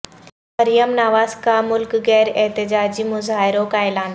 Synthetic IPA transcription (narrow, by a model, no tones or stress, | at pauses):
mɐɾijəmnaːʋaːz̥kʰamʊlkɣɛːɾɛɦt̪ɪd͡ʑaːd͡ʑimʊzaːɦɪɾokaːɪlaːn